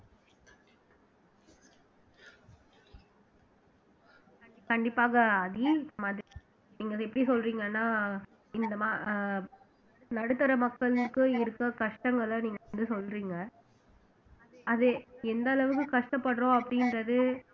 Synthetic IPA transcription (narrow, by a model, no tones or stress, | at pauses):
kɐɳɖɪpːaːɣɐːðiɪnd̪ɐmaːðɾi | niːŋɡɐɛpːɐɽisɔlɾiːŋɡɐnːaː | ɪnd̪ɐmaː | nɐɽɯt̪ːɐɾɐmɐkːɐɭkːɯɪɾɯkːɐkɐʂʈɐŋɡɐɭniːŋɡɐʋɐnd̪ɯsɔlːɾiːŋɡɐ | ɐðɯɛnd̪ɐlɐʋɯkːɯkɐʂʈɐpːɐɽɾõːɐpːɐɽɪnɾɐðɯ